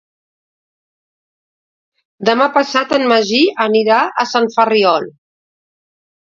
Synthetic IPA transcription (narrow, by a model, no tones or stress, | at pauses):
d̪əmapəsat̪ənməʒiəniɾaəsaɱfəriɔlˠ